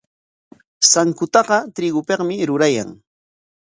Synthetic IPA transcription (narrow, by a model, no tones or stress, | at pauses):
saŋkʊt̪ɑɢɑt̪ɾɪɡʊpeqmɪɾʊɾaja̰ŋ